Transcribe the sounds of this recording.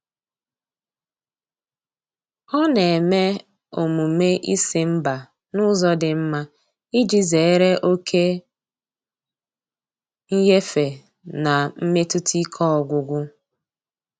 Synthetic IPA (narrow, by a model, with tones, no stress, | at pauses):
ɔ˦ne˨e˨me˦ | o˨mu˨me˦ʔi˦si˦m̩˦ba˨ | nʊ˦zɔ˦dɪ˨m̩˦ma˦ | i˦d͡ʒi˦ze˨e˦ɾe˦ʔo˦kʰe˦ | ŋ̩˦je˦fe˨ | na˨m̩˦me˦tu˦tʰi˦kʰɔ˦ɔ˨ɡʷʊ˨ɡʷʊ˦